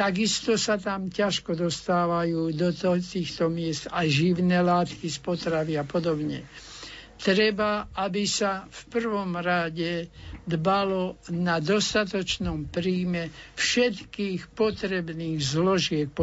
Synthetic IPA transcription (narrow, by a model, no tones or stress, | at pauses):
t̪aɡist̪ɔsat̪amcaʃkɔd̪ɔst̪aːʋajuːd̪ɔt̪ɔt̪iːxt̪ɔmɪɛst̪ajʒiʊnɛːlaːt̪kispɔt̪ɾaʋiapɔd̪ɔbɲɛ | t̪ɾɛbaabisafpr̩ʋɔmɾaɟɛd̪balɔnad̪ɔst̪at̪ɔt͡ʃnɔmpɾiːmɛfʃɛt̪kiːxpɔt̪ɾɛbniːɣzlɔʒɪɛk̚p